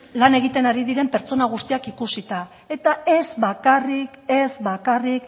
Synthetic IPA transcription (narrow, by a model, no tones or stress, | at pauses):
lane̞ɣ̞it̪e̞naɾið̞iɾe̞mpe̞ɾt͡so̞naɣ̞ust̪iakikusit̪a | e̞t̪ae̞zβakarike̞zβakarik